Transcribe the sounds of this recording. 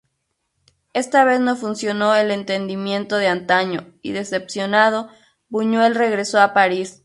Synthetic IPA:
e̞st̪aβe̞zno̞funsjo̞no̞ele̞nt̪e̞nd̪imjẽ̞nt̪o̞ðeant̪aɲo | ḭðe̞se̞psjonað̞o̞ | buɲwe̞lre̞ɣɾe̞soapaɾis

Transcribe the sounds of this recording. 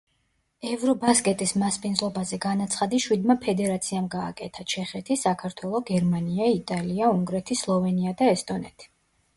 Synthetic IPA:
ɛvɾɔbaskʼɛt̪ʼismaspʼind̪zlˠɔbazɛɡanat̪sʰχad̪iʃwid̪mapʰɛd̪ɛɾat̪sʰiamɡa̰ːkʼɛt̪ʰat͡ʃʰɛχɛt̪ʰisakʰaɾt̪ʰwɛlˠɔɡɛɾmaniait̪ʼaliauŋɡɾɛt̪ʰislˠɔvɛniad̪aɛst̪ʼɔnɛ̰t̪ʰi̥

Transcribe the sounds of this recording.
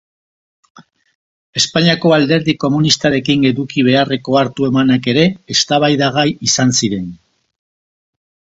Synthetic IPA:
e̞spaɲiako̞ald̪e̞ɾðiko̞munist̪aɾe̞kiŋe̞ðukiβ̞e̞are̞ko̞aɾt̪ue̞manake̞ɾe̞ːst̪aβajðaɣ̞ajisansiɾe̞n

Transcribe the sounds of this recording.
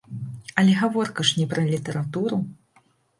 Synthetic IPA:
ɐlʲɛɣavɔrkɐʂnʲɛpɾʔɐlʲit̪ɐɾat̪uɾu

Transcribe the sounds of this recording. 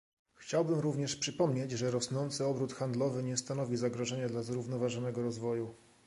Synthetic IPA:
xt͡ɕawbɘmɾuvɲɛʂpʂɘpɔmɲet͡ɕʐɛɾɔsnɔnt̪sɘɔbɾut̪xand̪lɔvɘɲɛst̪anɔvʲizaɡɾɔʐɛɲad̪lazɾuvnɔvaʐɔnɛɡɔɾɔzvɔju

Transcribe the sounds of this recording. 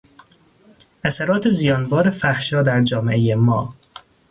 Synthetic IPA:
æsæɾɒːt̪ʰezijɒːnbɒːɾefæhʃɒːd̪æɾd͡ʒɒːmeejemɒː

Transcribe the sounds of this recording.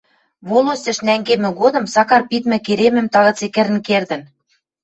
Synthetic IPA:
βolˠosɘ̆ʃnæŋɡemɘ̆ɣod̪ɤ̆msɑkɑrpit̪mɘ̆keɾemɘ̆mt̪ɑɣɤ̆t͡sekɘ̆ɾɘ̆nkerd̪ɘ̆n

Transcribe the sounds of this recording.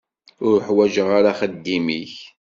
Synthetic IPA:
ʊɾħwæʒəʁaɾaχəd̪ːimiç

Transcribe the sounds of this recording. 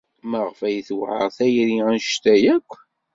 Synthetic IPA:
məʁfæjθwʕə̰ʁθæjɾiænʃt̪æjækʷː

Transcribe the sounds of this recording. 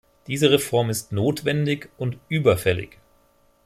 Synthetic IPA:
d̥iːzəʁefɔɐmɪstnoːtv̥ɛndɪçʊntʔyːbɐfɛlɪ̰ç

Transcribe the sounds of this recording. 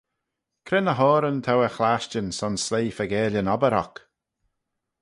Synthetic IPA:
kʰɾɪnəɦɔːɾənt̪ʰawəxlaʃt͡ʃənsɔnslejːfəɡɛːljənɔbəɾɔ̰k

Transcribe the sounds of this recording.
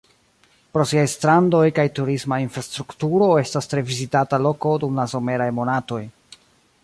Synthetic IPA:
pɾo̞siajstɾando̞jkajtuɾismainfɾastɾuktuɾo̞e̞stastɾe̞vizitatalo̞ko̞dumlaso̞me̞ɾajmo̞nato̞j

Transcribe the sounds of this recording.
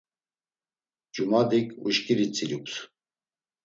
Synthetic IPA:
d͡ʒumad̪ikʰʼuʃkʼiɾit͡sʼiɾukʼs

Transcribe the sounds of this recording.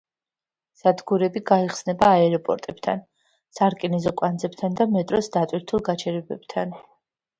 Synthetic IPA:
z̥ad̪ɡuɾɛbiɡaiχsnɛbaːɛɾɔpʼɔ̰ɾt̪ʼɛb̥t̪ʰa̰n | saɾkʼinɛzɔkʼwand̪zɛb̚t̪ʰand̪amɛt̪ʼɾɔsd̪at̪ʼwiɾt̪ʰulˠɡat͡ʃʰɛɾɛbɛ̰b̥t̪ʰan

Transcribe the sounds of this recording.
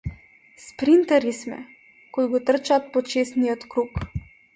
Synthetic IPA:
spɾint̪ɛɾismɛ̰ | kɔd̪ɡɔt̪ərt͡ʃat̪̚pɔt͡ʃesniɔt̪kɾuːk

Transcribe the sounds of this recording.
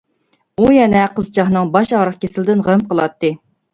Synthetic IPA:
ujɛnɛqəzt͡ʃʰɑχnɨŋbɑʃɑʁɾəχkʲʰesɪlɪd̪ɪnʁøm̚qʰəlˠɑ̰t̪ːɨ

